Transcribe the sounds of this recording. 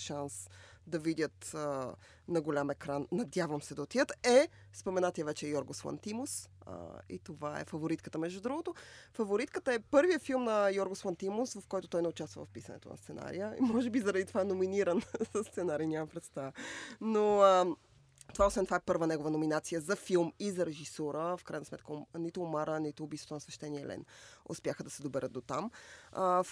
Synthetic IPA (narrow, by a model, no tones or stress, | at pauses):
ʃansd̪ɐvid̪ʲət̪ə | nɐɡolʲamɛkɾanːɐd̪ʲjavəmsɛd̪ɐot̪ijət̪ɛ | spomɛnat̪iəvɛt͡ʃɛjɔɾɡoslˠa̰nt̪imosə̰ḭt̪ovaɛ̰fɐvoɾit̪kə̥t̪əmɛʒd̪ud̪ɾuɡot̪ofɐvoɾit̪kət̪əɛpɤɾvijəfilˠmnɐjɔɾɡoslˠənt̪imʊsvɐfkɔjt̪ot̪ɔjnɛʊt͡ʃast̪və̰vɐ̰fpisɐ̰nɛ̰t̪o̰nɐ̰st̪sɛna̰ɾḭjəḭmɔʒɛbizəɾɐd̪it̪ovaɛnominiɾənzɐst̪sɛnaɾiːnʲamɐpɾɛt̪st̪avno | t̪ovaosɛnt̪ovaɛpɤɾvənɛɡovənominat̪sijəzɐfilˠmizɐɾɛʒisɔɾəfkɾajnəsmɛt̪kənit̪ʊːmaɾənit̪ʊːbisot̪onsvɛʃt̪ɛniɛlʔɛ̰no̰spjaxəd̪ɐsɛd̪obɛɾəd̪̚d̪ot̪amə